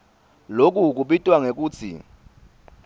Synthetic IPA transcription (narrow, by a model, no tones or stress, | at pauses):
lok̬ʼuk̬uɓitʼwaŋek̬ʼuːt͡sʰḭ